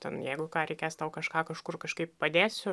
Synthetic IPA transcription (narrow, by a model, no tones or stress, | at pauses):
t̪ʲɛnjɛɪɡʊkɑːɾʲɛɪkʲeːst̪ɐʊkɐʃkɑːkɐʃkʊrkɐʃkɐɪppɐd̪ʲeːsʲʊ